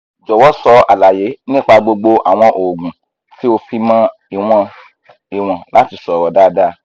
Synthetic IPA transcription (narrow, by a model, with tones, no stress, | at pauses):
d͡ʒɔ˨wɔ˦sɔ˧a˨la˨je˨˦nĩ˦k͡pa˧ɡ͡bo˧ɡ͡bo˧ʔa̰˨w̃ɔ̃˧ʔo˨ɡũ˨ | si˦o˧fi˧mã˦ | i˨w̃ɔ̃˧ | i˨w̃ɔ̃˨la˦ti˧sɔ˨ɾɔ˨˦da˦˨da˦